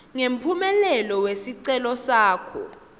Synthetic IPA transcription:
ŋem̩pʰumɛlɛlɔwesiǀɛlɔsaːkʰɔ̰

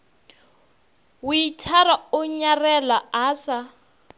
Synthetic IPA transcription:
wʊitʰaɾaʊɲarɛlaaːsa

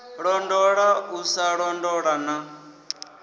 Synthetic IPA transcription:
ɺɔndɔɺausaɺɔndɔɺana

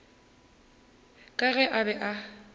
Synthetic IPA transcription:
kʼaɣɛʔabɛʔa

